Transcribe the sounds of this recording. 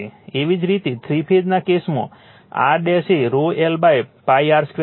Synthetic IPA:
eʋid͡ʒɾit̪et̪ʰɾipʰed̪nakesmõ̰ | a̰ɾɖeseɾoelbajpajaɾskɾe

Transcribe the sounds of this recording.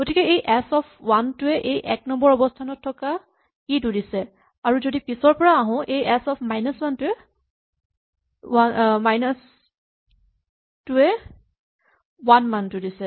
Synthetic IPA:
ɡ̥otikɛejʔɛsɔpʰwantʊɛʔejʔɛk̚nɔmbɔɹɔbɔstʰanɔtʰːɔka | kidudisɛ | aɹuzodipisɔɹpɔɹaːɦɔ̃ʔejɛsɔpʰmajnɔswantʊɛ | amajnɔs | tʊɛ | wanmantʊdisɛ

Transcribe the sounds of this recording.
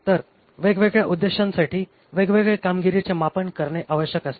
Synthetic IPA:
t̪əɾ | ʋeɡʋeɡɭjaʔud̪ːeɕãnsaʈiː | ʋeɡʋeɡɭekamɡiɾit͡ɕemapəɳkəɾɳeʔaʋəɕjəkəst̪e

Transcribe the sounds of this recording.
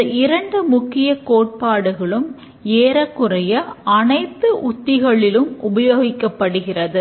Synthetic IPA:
ɐɪɾɐɳɖɯmʊkːɪjɐkoːʈ̚paːɽɯɣɐɭɯm | eːɾɐkːɯrɐjɐɐnɐɪt̪ːɯʔʊt̪ːɪɣɐɭɪlɯmʊbɐjoːɣɪkːɐpːɐɽɯɣɪrɐðɯ

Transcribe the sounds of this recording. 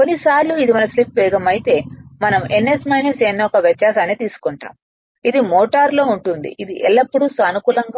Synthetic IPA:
konːisaːɾluid̪imɐnɐslipʋɛːɡɐmɐjit̪e̞ːmɐnɐmenːesmɐjnɐsenːoɔkɐʋjɐt͡ʃːjaːsaːneːt̪iːsu̥kɔɳʈa̰ːm | id̪imoːʈaːɾlo̞ːuɳʈund̪ḭʔid̪iʔɛɭːɐpːuɽusɐnukuːlɐŋɡa

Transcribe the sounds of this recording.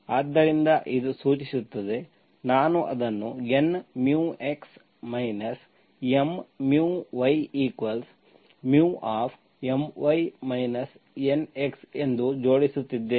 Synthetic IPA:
aːd̪ːɐɾind̪ɐʔid̪usuːt͡ʃisut̪ːɐd̪e̞ | naːnuʔɐ̰d̪ɐnːuenmjuːeks | mɐjnɐs | emmjuːʋɐjiːkʋɐls | mjuːʔaːpʰ | emʋɐjmɐjnɐs | ene̞kse̞nd̪ud͡ʒo̞ːɽisut̪ːid̪ːeː

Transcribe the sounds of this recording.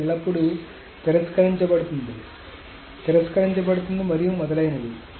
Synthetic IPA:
ɭːɐpːuɽu | t̪ɛɾɐskɐɾiɲt͡ʃɐpɐɽut̪und̪i | t̪ɛɾɐskɐɾiɲt͡ʃɐp̬ɐɽut̪und̪imɐɾijumɔd̪ɐlɐjɐnɐd̪i

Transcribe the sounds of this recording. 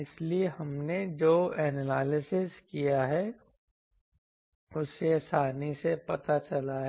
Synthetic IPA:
ɪsliehɐmned͡ʒoːɛːnɛlaːlɪsɪskijaɦɛ | ʊsesaːnisepɐt̪at͡ʃɐlaɦɛ

